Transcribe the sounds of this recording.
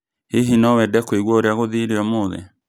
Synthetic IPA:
heɦinɔwɛdɛkweɣwɔoɾeaɣoðiɾeɔmoðɛ̰

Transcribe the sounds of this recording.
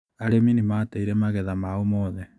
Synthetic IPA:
aɾemenimaːteiɾɛmaɣɛðamaomɔðɛ

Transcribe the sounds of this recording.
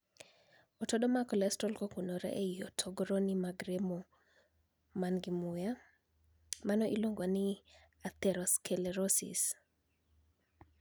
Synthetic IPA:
ɔtɔɗɔmakɔlɛstɔlkɔkunɔɾɛ̰ʔeiɔtʰɔɡɾɔnimaɡɾemo | manɡimʊja | manɔʔiloŋɡani | at̪ɛɾɔskʰɛlɛɾɔsḭs

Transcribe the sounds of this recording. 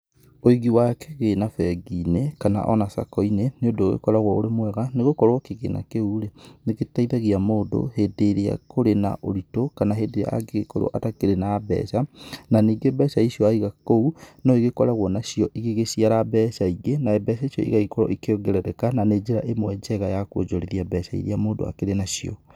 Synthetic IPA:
oiɣiwakɛɣenafɛɡinekana̰ʔɔ̰nasa̰kɔineneondoːɣḛkɔɾaɣwɔoɾemwɛɣaneɣokɔɾwɔkeɣḛna̰keuɾeneɣetaiðaɣiamoːdo̰heːdeɾea̰koɾena̰ʔoɾitokanaɦeːdeɾea̰a̰ɡeɣekɔɾo̰ɔ̰ʔatakeɾenabɛ̰ːsananiːɡebɛsaisiɔaiɣakounɔeɣekɔɾaɣɔnaɕiɔʔiɣeɣesiaɾabɛːsaiɡenaɛbɛːsaisjɔ̰ʔḭɣaikɔɾɔ̰ʔikeoɡeɾɛɾɛkananed͡ʒeɾa̰ʔemowɛd͡ʒɛɣajakwo̰d͡ʒoɾeðiabɛsaḭɾeamoːdo̰a̰keɾenaʃiɔ̰

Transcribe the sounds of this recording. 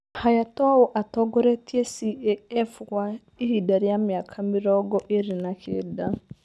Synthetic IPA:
hajatɔawɔʔatɔɡɔɾɛtiesiɛɛfukwa | ihidaɾiamjakʰamɪɾɔɡɔʔeɾinakʰḛda

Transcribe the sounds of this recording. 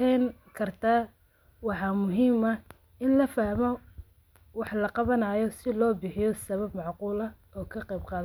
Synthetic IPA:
ɛnkʰɐrt̪ʰaː | wɑħɑːmʊɦiːmɐ | ɪnlɐfɐhmɔ | wɑħlɐqɑβɐnɐjɔsɪlɔːbɪħɪjɔsɐβɐbmɑʕquːlɐ | ɔːkʰɐqɑjbqɑːðɐ

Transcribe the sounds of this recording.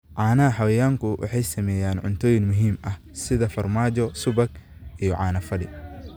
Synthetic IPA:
ʕɑːnɐɐħɐwɐjaːŋkʰʊwʔɑ̰ħɑjsɐmɛːjaːnʕʊ̰nt̪ʰɔːjɪŋmʊɦiːmɐh | sɪðɐfɐrmaːt͡ʃɔsʊbɐɡʔijɔʕɑːnɐfɐɽɪ̰

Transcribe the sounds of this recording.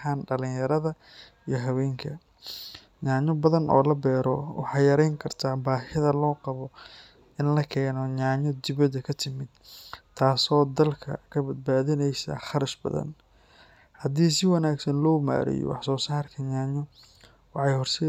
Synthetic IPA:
aːnɖɐlɪ̃ŋjɐɾɐðɐ | ijɞɦɐwɛːŋkʰɐ | ɲaːɲɔbɐðɐnʔɔ̰ːlɐbɛːɾɔwɑ̰ħɑːjɐɾɛjŋkʰɐrt̪ʰaːbaːhɪðɐlɔːqɑβɔ | ɪnlɐkʰɛːnɔɲaːɲɔd̪ɪβɐd̪ɐkʰɐt̪ʰɪmɪd̪̥t̪ʰaːsɔːd̪ɐlkʰɐ̰kʰɐbɐd̪̚baːðɪnɛjsɐ̰χɑɾɐʃbɐ̰ðɐ̰n | hɐd̪iːsɪwɐnaːɡsɐnlɔːma̰ːɾɛ̰jɔ̰wɑ̰ħsɔːsaːrkʰɐɲaːɲɔ | wɑħɑjhɔrsɛ

